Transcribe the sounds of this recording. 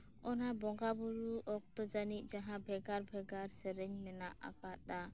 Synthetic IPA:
ɔnabɔŋɡabuɾuʔɔk̚t̪ɔd͡ʒanic̚ˀd͡ʒaɦãbʱɛɡaɾbʱɛɡaɾsɛɾɛɲmɛnaʔa̰kat̪̚a

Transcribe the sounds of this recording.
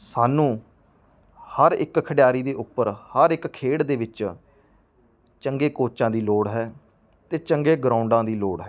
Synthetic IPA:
saːnũː | həɾɪkkʰəɽɪjaːɾiːd̪eːʔʊpːəɾhəɾɪkkʰːeːɽd̪eːʋɪt͡ʃ | t͡ʃəŋɡeːkoːt͡ʃãːd̪iːloːɽɦɛː | t̪eːt͡ʃəŋɡeːɡɾãːʊɳɖãːd̪iːloːɽɦɛ

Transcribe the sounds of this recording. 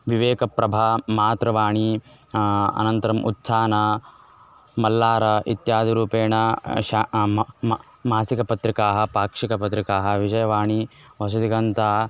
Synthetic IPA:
ʋiʋeːkɐpɾɐbʱaːmaːt̪ɾɐʋaːɳi | ɐ̰nɐnt̪ɐɾɐmʔṵtːsʰaːnɐ | mɐlːaːɾɐʔit̪jaːd̪ʱiɾuːpeːɳɐa | maːsikɐpɐt̪ɾikaːɦɐ̆paːkʂikɐpɐt̪ɾikaːɦɐ̆ʋid͡ʒɐjɐʋaːɳi | ʋɐs̬ɐd̪iɡɐnt̪aː

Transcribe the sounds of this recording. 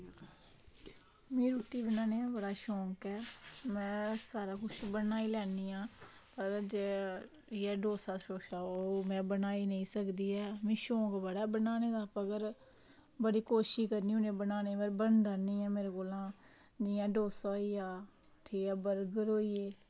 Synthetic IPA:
mẽːɾuːʈ̪iːbənaːneãːbəɽaːʃɔ̃ːŋkɛːmɛ̃ːsaːɾaːkʊt͡ʃʰbənaːiːlɛːniːãː | pəɾd͡ʒeː | jɛːɖoːsaːʃoːʃaːoːmɛ̃ːbənaːinəĩːsəkd̪iːɛːmĩːʃɔ̃ːkbəɽaːbənaːneːd̪aːpəɡəɾ | bəɽiːkoːʃiːkəɾniːʊnẽːbənaːneːbəɾbənd̪ənĩːɛ̃ːmeːɾeːkoːlãː | d͡ʒɪjãːɖoːsaːiːaː | t̪ʰeːaːbəɾɡəɾoːiːeː

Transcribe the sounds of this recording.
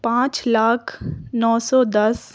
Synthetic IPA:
pãːt͡ʃlaːkʰnɔːsɔd̪ɐs

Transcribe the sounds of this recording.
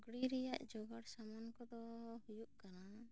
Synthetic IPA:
ɡɽiɾɛjaʔd͡ʒɔɡaɽsamankɔd̪ɔhujuʔkana

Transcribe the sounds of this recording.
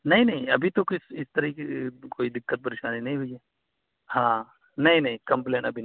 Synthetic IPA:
nɐɦĩnɐɦĩɐbʱit̪okɪsɪst̪ɐɾiikekoːid̪ɪkːət̪̚pɐɾeːʃaːninɐɦĩɦoiɦe | hãː | nɐɦĩnɐɦĩkɐ̃mplẽːʈɐbʱin

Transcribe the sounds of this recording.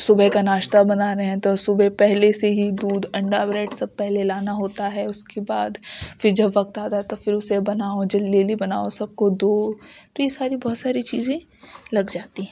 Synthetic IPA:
sʊbəkanaːʃt̪abɐnaɾɐɦɛ̃t̪osʊbʱepɛɦleseɦid̪uːd̪ɐ̃ɳɖabɾeːʈsɐbpɛɦlelaːnaɦoːt̪aɦɛʊskebaːd̪fɪɾd͡ʒɐbʋɐk̚t̪aːt̪aɦɛt̪ofɪɾʊsebɐnaːod͡ʒɐlːeːlibɐna̰ːosɐb̚kod̪oːt̪ojesaːɾibɔːt̪saːɾit͡ʃiːzẽ | lɐɡd͡ʒaːt̪iɦɛ̃

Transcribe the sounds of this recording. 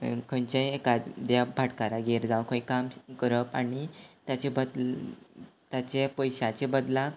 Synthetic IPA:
kʰənt͡ɕẽekad̪jabʱaʈkaɾaɡeɾd͡zaʋwkʰə̃ikamkəɾəpanit̪jat͡ɕebəd̪ | t̪jat͡ɕepəjɕat͡ɕebəd̪lak

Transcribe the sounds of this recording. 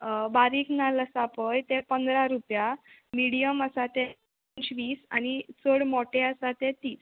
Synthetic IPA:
baɾiːknaləsapəjt̪ẽpənd̪ɾaɾupjamiɽijəməsat̪ɛ | ɲt͡ɕʋiːsa̰ñit͡səɽmɔʈeəsat̪ɛt̪iːs

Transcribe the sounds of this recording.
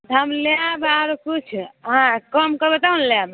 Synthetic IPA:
t̪əmleabaɾkut͡ʃʰɦãkəmkəbet̪aunleab

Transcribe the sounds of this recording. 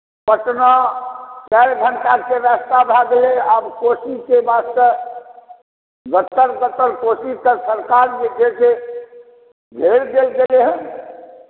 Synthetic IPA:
pəʈnat͡ʃaɾɡʱəɳʈakeɾast̪abʱaɡ̪leabkosikebasə | ɡət̪ːəɾɡət̪ːəɾkosit̪əɾsəɾkaɾd͡ʒekese | ɡʱeɽd̪elɡeleɦə̃n

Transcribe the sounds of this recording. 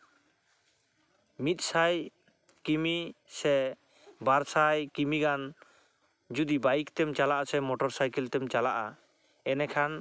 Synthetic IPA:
mit̪̚saj | kimisɛ | baɾsajkimiɡan | d͡ʒud̪ibajikt̪ɛmt͡ʃalaʔasɛmɔʈɔɾsajkɛlt̪ɛmt͡ʃalaʔa | ɛnɛkʰan

